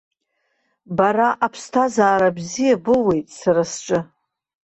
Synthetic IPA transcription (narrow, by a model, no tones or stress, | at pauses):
baɾaʔapʰstʰazaːɾabzijabɨwe̞jtʼsaɾasʈ͡ʂʼɨ